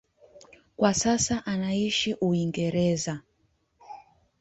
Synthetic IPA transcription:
kwasasaʔanaiʃiʔuiŋɡɛɾɛza

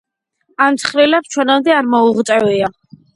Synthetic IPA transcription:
amt̪sʰχɾilapt͡ʃʰwɛnamd̪ɛaɾmɔuʁt̪ʼɛvia

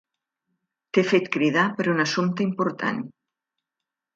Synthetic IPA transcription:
t̪efet̪kɾiðapəɾunasumt̪ɐimpoɾt̪a̰n

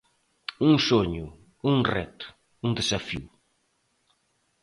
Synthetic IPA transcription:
uŋsoɲʊ | uŋrɛ̰t̪ʊ̥ | uŋd̪esafḭw

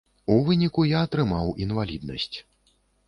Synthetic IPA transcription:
uvɨnʲikujaːt̪ɾɨmawinvalʲḭd̪nɐ̰sʲt͡sʲ

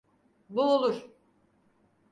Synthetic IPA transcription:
bulˠulˠuɾ̥

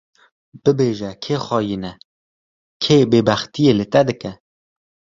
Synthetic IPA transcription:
b̥ɨbeːʒɛkʰeːxɑːjinɛ | kʰeːbeːbæxt̪ijeːlɨt̪ɛd̪ɨkɛ

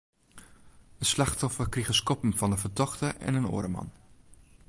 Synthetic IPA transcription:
ənslaxtɔfərkrixəskɔpəmfɑndəfərtɔxtəʔɛ̰nəno̰ːɾəmɑ̰n

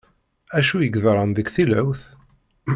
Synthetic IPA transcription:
æʃujəɡðɾˤɑnd̪əkθilæwθ

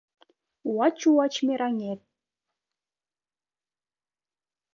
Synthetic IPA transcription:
uwɑt͡ɕːuwɑt͡ɕmʲeɾɑŋet̪̚

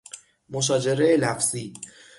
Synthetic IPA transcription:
moʃɒːd͡ʒe̞ɾeelæfz̥iː

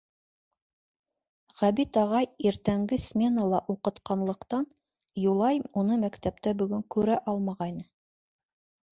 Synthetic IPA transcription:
ʁæbit̪ɑʁɑjiɾt̪æŋɡɘsmʲe̞nɑlˠɑʔuqɤ̆t̪qɑnlˠɤ̆qt̪ɑn | julˠɑjmunɤmækt̪æp̚t̪æbɵ̆ɡɵŋkʉɾæʔɑlˠmɑʁɑjnɤ

